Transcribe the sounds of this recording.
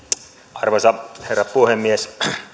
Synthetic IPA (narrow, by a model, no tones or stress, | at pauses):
ɑrʋosɑherːɑpuhemːies